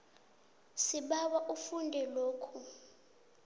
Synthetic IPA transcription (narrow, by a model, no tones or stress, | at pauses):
siɓawaʔufundʱɛloːkʰu